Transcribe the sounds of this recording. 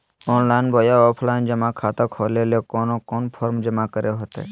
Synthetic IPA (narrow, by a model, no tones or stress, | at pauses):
ɔːnlaɪnbɔːjaɔːpʰlaːɪnd͡ʒəmakʰaːt̪akʰoːleːlekɔːnokɔːnpʰɔːɾmd͡ʒəmakəɾeɦot̪ḛː